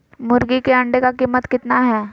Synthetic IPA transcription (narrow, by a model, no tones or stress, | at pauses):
mʊɾɡikeɐɳɖekakiːmːət̪kɪt̪naɦɛː